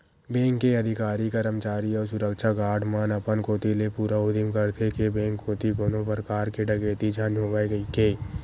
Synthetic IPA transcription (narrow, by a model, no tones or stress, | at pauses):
bẽːŋkːeɐd̪ʱɪkaːɾikəɾəmt͡ʃaːɾiɔːɾs̬ʊɾəkʃaɡaːɖmaːnɐpənkoːt̪ilepuːɾaod̪ɪmkəɾt̪ʰekebẽːŋkːoːt̪iɡoːnopəɾkaːɾkeɖɐɡeːt̪id͡ʒʱaːnɦoːʋaeɡəikeː